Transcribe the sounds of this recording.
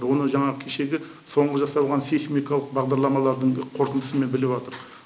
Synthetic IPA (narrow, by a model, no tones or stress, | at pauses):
wo̞nəʒɑɴɑʁəkʲʰe̞ʃe̞ɡʲɪ | so̞ɴʁəʒɑsɑw̪ˠʁɑnsesmijkɑlˠəq̚bɑʁd̪ɑɾlˠɑmɑlˠɑɾd̪əɴqʰo̞ɾt̪ənd̪əsəme̞nbɪlɪpɑt̪əɾ